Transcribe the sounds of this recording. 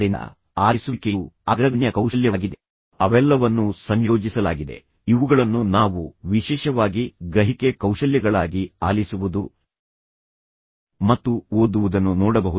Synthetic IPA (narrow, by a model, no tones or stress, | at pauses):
ɾin̰ | a̰ːlisukeɐɡɾɐʋɳjɐkɐwʃɐljɐːɡid̪e | ɐʋɛlːɐʋɐnːusɐɲjoːd͡ʒisɐlaːɡid̪e̞̰ | iʋuɡɐɭɐnːunaːʋuʋiʃɛːʃɐʋaːɡiɡɾɐɦikekɐwʂɐljɐɡɐɭaːɡiaːlisuʋud̪u | mɐt̪ːuoːd̪uʋud̪ɐnːunɔːɽɐbɐɦu